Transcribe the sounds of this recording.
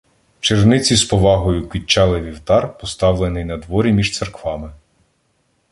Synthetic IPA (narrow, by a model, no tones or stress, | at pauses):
t͡ʃernɪt͡sʲispɔʋɑɦɔjʊkʋʲit͡ʃːɑlˠɪʋʲiwt̪ɑrpɔst̪ɑwlˠenɪjnɐd̪ʋɔɾʲimʲiʒt̪serkʋɑmɪ